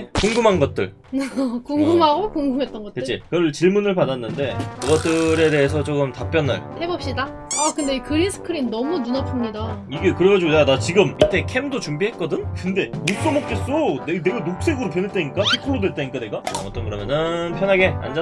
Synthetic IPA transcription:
koŋɡɯmɦanɡʌt̚t͈ɯ̰ɭ | koŋɡɯmɦaɡokoŋɡɯmɦe̞t͈̚ʌnɡʌtet͡ɕ͈ekɯɾɯɭt͡ɕiɭmunɯɭpadanːɯnde̞kɯɡʌt͈̚ɯɾe̞de̞ɦes̬ʰʌt͡ɕ͈ok͈ɯmtap͈jʌnɯ̰ɭhe̞bʌp̚ɕ͈ida | akɯnde̞kɯɾisʰɯ̥kʰɯɾimnʌmununʌpʰɯmɲidaiɡe̞kɯɾe̞ɡad͡ʑuɡondat͡ɕiɡɯmitʰe̞kʰe̞mdot͡ɕumbiɦe̞t̚k͈ʌdɯnkɯnde̞mok̚s͈ʌmok̚t͡ɕ͈es͈onene̞ɡanok̚s͈e̞ɡɯɾop̬jʌnɦet͈aɲik͈atʰikʰɯɭːodoɦet͈aɲik͈ane̞ɡaa̰ʌt͈ʌnɡɯɾʌmjʌnɯnpʰjʌnɦaɡe̞a̰nd͡ʑa

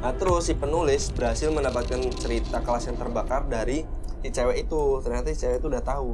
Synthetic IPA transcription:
ʔat̪əɾʊsdipənulɪsbərɾɦasɪlməndapat̪̚kant͡ʃəɾit̪akəlasant̪ərbakardaɾisit͡ʃewɛʔit̪ut̪ərɲat̪ait͡ʃewɛit̪uːdaht̪aɦu

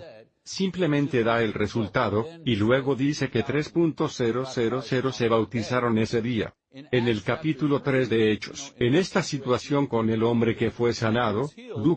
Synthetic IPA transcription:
simple̞mẽ̞nt̪e̞ðae̞lre̞sult̪aðo̞ilwe̞ɣo̞ðise̞ke̞t̪ɾe̞spunt̪o̞sːe̞ɾo̞se̞ɾo̞se̞ɾo̞se̞β̞awt̪isaɾo̞ne̞se̞ðia̰ | e̞ne̞lkapit̪ulo̞t̪ɾe̞zðe̞et͡ʃo̞̰se̞ne̞st̪asit̪wasjo̞ŋko̞ne̞lo̞mbɾe̞ke̞fwe̞sanaðo̞luk

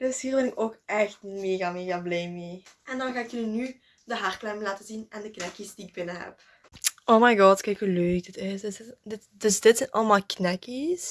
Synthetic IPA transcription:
d̥øshiːrʋɪnɪkoːkɛxtmeːɣameːɣablɛjmeːʔɛndɔnɣaːɪkjilny | dəɦarklɛmlaːtəzinɛndəknɛkisdiːɪɡ̚bɪnəɦɛ̰p | ʔoːmajɡɑtkɛjkhuløːk̚dɪtɪsdsdɪtdøsdɪtsɛnʔɑ̰ləmaːlˠknɛkis

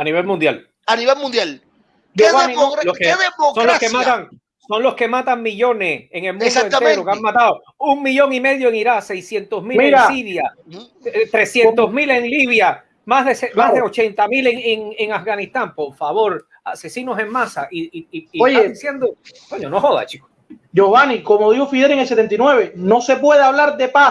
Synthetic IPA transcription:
aniβ̞e̞lmund̪jal | aniβelmũnd̪jal | loeβanioloskeeosonloskemat̪aŋ | so̞ŋlo̞ske̞mat̪aŋmiʎo̞neseŋe̞lmũndsoent̪eɾokeaŋmat̪aðo | uŋmiʝo̞ŋime̞ðjoeŋiɾase̞jsje̞nt̪osmimiɾasiɾja | t̪ɾesjent̪osmileŋliβ̞ja | maɦðesemaɦððeot͡ʃe̞nt̪amileŋeŋeŋafɡanist̪ampo̞ɾfaβo̞ɾ | ase̞sino̞se̞ŋmasaʔioj̪aeisje̞nd̪o | kweɲonohoða̰t͡ʃiko̥ | d͡ʒoβanikomoðihofiðeɾeŋelset̪e̞nt̪inwe̞βeno̞se̞pweðeaβlaɾd̪e̞pas

